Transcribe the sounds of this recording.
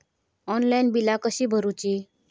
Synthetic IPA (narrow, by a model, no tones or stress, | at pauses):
ɔnlainbilakəɕiːbʱəɾut͡ɕiː